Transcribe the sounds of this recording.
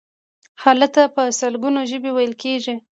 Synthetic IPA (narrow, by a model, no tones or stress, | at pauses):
xɑlək̚t̪apəsəlɡunoʒəbewajəlkeʒi